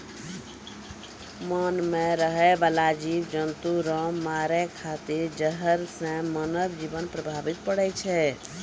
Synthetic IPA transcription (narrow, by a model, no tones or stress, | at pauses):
mənmeɾəɦɛbalad͡ʒiʋd͡ʒənt̪uɾə̃maɾɛkʰat̪iɾd͡ʒəɦəɾsə̃mənəbd͡ʒibənpɾəbʱabit̪̚pəɽɛt͡ʃʰɛ